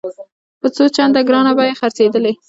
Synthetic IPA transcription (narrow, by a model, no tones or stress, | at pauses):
pət͡sot͡ʃand̪aɡɾɑnabajexaɾt͡sed̪əle